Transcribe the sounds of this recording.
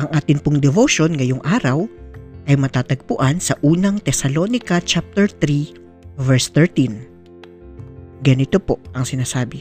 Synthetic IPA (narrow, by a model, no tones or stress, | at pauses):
ʔɐŋʔaːt̪ɪnpʊŋd̪ɛvoʃo̞nŋɐjoŋʔaːɾɐwʔɐjmɐt̪aːt̪ɐɡ̚pʊʔɐnsɐʔuːnɐŋt̪ɛsɐlo̞ːnɪkɐt͡ʃap̚t̪ɛɹt̪ɾi | vɛɹst̪ɛɹt̪in | ɡɐnɪt̪opo̞ʔʔɐŋsɪnaːsaːbɪ